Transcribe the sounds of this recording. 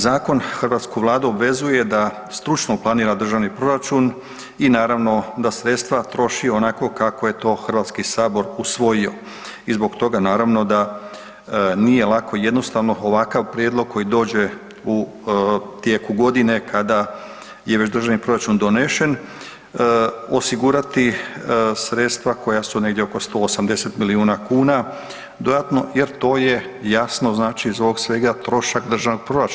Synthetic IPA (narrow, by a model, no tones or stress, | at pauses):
zaːko̞nxrʋaːt̪skuʋlˠaːd̪uobʋe̞zuje̞d̪a | st̪ɾut͡ʃnoplˠaniːɾad̪r̩ʒaʋnipɾo̞ɾat͡ʃun | inaːɾaʋno̞d̪asɾet̪st̪ʋat̪ɾo̞ʃionako̞kako̞je̞t̪o̞ːxr̩ʋaːt̪skisaːbo̞ɾusʋo̞jio̞ | izbo̞ɡt̪o̞ɡanaːɾaʋno̞d̪a | nije̞lˠakʰo̞je̞d̪no̞st̪aʋno̞oʋakaʋpɾjeːd̪lˠo̞ɡ̚kʰːo̞jid̪o̞ːd͡ʑe̞ | u | t̪jekuɡo̞d̪ine̞kʰad̪a | jeʋe̞t͡ɕd̪rʒaʋnipɾo̞ɾat͡ʃund̪o̞neʃe̞n | o̞siɡuɾat̪i | sɾet̪st̪ʋako̞jasune̞ɡdjeoko̞st̪o̞ːsamd̪e̞se̞t̪miliuːnakuːna | d̪o̞jat̪no̞je̞ɾt̪o̞ːje̞ | jasno̞znaːt͡ʃizoʋoɡsʋe̞ɡat̪ɾo̞ʃakd̪r̩ʒaʋnoɡ̚pɾo̞ɾat͡ʃ